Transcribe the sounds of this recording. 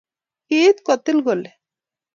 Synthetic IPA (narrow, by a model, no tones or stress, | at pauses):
kiːt̪kɔt̪ilɡole